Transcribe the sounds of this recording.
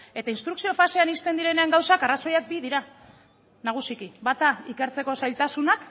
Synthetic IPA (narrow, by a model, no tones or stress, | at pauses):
e̞t̪ainst̪ɾuksio̞fase̞anist̪e̞nd̪iɾe̞ne̞aŋɡawsakaraso̞jak̚bið̞iɾa | naɣ̞usikibat̪aike̞ɾt͡se̞ko̞sajlt̪asunak